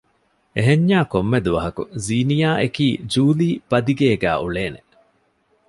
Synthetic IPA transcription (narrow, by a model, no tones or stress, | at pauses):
eɦeɲːaːkomːed̪uʋɐɦɐkṵziːnijaːʔekiːd͡ʒuːliːb̥ɐd̪iɡeːɡæ̰ːʔuɭeːne